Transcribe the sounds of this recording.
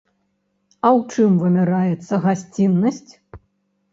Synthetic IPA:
ɐwt͡ʂɨmvɨmʲɛɾajɛt̪sːɐɣasʲt͡sʲinːɐsʲt͡sʲ

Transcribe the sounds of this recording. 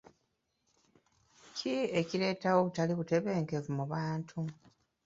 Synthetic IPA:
cʰie̞ciɾe̞ːtawoβutaliβute̞βe̞ːŋke̞vumuβaːntʰu

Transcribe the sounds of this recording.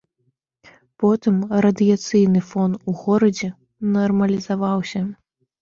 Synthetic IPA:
pɔt̪ɨmrɐd̪ɨjat̪sɨjnɨfɔnuɣɔɾɐd͡zʲɛ | nɐrmɐlʲizavawsʲɐ

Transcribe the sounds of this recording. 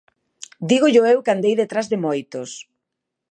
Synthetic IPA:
d̪iɣoʎʊewkand̪ejðet̪ɾazðɪmojt̪os

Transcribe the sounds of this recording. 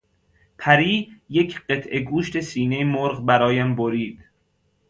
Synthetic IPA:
pʰæɾiːjecʰɢe̞t̪ʰʔeɡuːʃt̪ʰesiːnejmoɾɣbæɾɒːjæmboɾiːd̪̥

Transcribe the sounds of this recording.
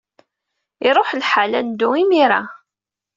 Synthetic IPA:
iɾˤoħlħalænd̪ʊimiɾa

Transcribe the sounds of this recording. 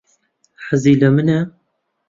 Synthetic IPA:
ħəziːləmɨnɛ

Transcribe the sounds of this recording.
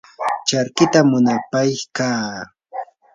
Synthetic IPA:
t͡ʃaɾkɪt̪amʊnapajkaː

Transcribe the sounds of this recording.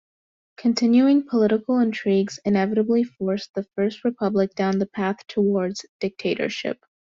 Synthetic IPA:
kʰɨ̃ntʰɪ̃njʉɪ̃ŋpʰəlɪɾəkl̩ˠə̃ntʰɹ̥iɡz̥ɨ̃nɛvɨɾəblifɔɹsðəfɜ˞st̚ɹɨpʰʌblɨk̚d̥ãʊ̃nðəpʰæθtʰəwɔɹdz̥d̥ɪk̚tʰeɪɾə̰˞ʃɪ̰p̚

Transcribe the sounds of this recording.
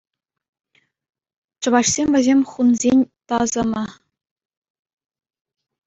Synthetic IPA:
t͡ɕɤ̆ʋɑɕsʲemʲvʲɘ̆zʲemʲχunzʲenʲt̪ɑzɤ̆mɤ̆

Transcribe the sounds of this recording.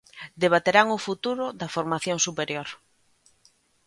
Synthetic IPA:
d̪eβat̪eɾaŋʊfut̪uɾʊd̪ɐfoɾmaθjoŋsupeɾjoɾ

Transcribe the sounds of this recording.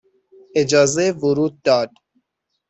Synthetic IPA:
ed͡ʒɒːzevʊɾuːd̪̚ːɒːd̪

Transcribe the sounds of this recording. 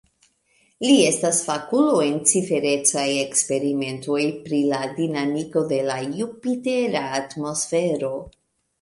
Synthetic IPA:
lie̞stasfakuloe̞nt͡sife̞ɾe̞t͡saje̞kspe̞ɾime̞nto̞jpɾiladinamiko̞de̞lajupiteɾaːtmo̞sfe̞ɾo̞

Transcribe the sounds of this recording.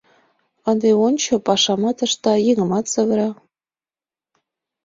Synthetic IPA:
ɤnd̪eont͡ɕɤ̆pɑʃɑmɑt̪ɤ̆ʃt̪ɑjeŋɤ̆mɑt̪sɤ̆βəɾɑ

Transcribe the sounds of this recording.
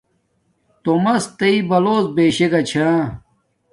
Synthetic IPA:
t̪omɐst̪ɐibɐloːzbeːɕeɡɐt͡ɕʰaː

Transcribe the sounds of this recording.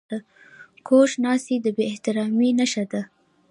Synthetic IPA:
ə | kʰoʃnɑsid̪əbeɪht̪ɪɾɑminaʃad̪a

